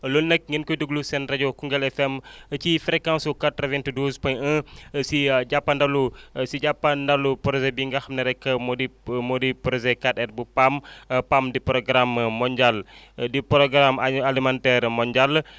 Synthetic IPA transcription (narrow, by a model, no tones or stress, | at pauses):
lunːək̚ŋinkuiduɡlusɛnrad͡ʒokuŋɡalɛfɛmət͡ʃifɾɛkaŋsukat̪ravɛnt̪uduspɔəsid͡ʒapandalusid͡ʒapandalupɔɾzɛbiŋɡahmnəɾɛkəmodimodipɔɾzɛkat̪ɛrbupampamdipɾoɡɾamːɔɲd͡ʒal | dipɾoɡɾamaalimɛnt̪ɛrmɔɲd͡ʒal